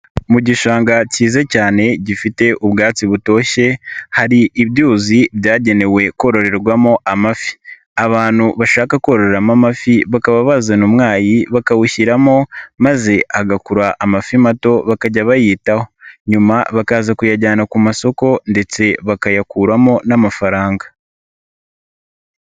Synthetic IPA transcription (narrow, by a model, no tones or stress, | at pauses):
muɟiʃaːŋɡaciːzecaːne̞ɟifite̞ʔubɡaːt͡siβuto̞ːçe̞haɾiʔːβɟuːziβjaːɟe̞ne̞we̞ko̞ɾo̞ɾe̞ɾɡwamo̞ʔamafi̥ | aβaːn̥huβaʃaːkako̞ːɾo̞ɾeɾamamafiβakaβaβazanumŋaːjiβakawuçiɾamo̞maze̞ʔaɡakuɾaʔːmafimato̞βakaɟaβajiːtaho̞ɲumaβakaːzakujaɟaːnakumaso̞ko̞nde̞t͡se̞βakajakuɾamo̞namafaɾaːŋɡa